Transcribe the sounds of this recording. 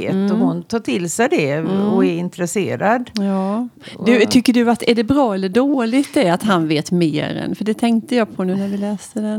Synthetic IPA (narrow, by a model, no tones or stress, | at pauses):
t̪ɔhʊnt̪ʰɑːʈʰɪlsɛjd̪ɛɔɛɾɪnt̪ɾɛseːɾad̪jɑːd̪ɵt̪ʰʏkːəɖɵat̪æɖɛbɾɑːɛlːəɖoːlɪɡt̪̚d̪ɛat̪ɦanveːt̪mḛːɾɛ̰nfœɖɛt̪ʰɛŋkt̪əjɑːɡpʰɔnʉ̟ːnæɾvɪlɛːst̪əd̪ɛn